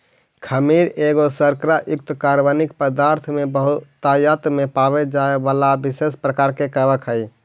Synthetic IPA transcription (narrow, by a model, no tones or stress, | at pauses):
kʰəmiɾeɡosəɾkɾaʔjʊk̚t̪kaɾʋanik̚pəd̪aːɾt̪ʰmebəɦʊt̪ːajat̪mepawed͡ʒaeʋaːlabɪsespɾəkaːɾkekəbəkʰɦəi